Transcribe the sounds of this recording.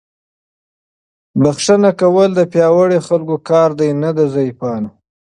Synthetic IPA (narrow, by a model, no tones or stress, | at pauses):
baxʂanakawəld̪əpjɑwəɽexalkokɑːɾd̪ajnad̪azɑjipɑːna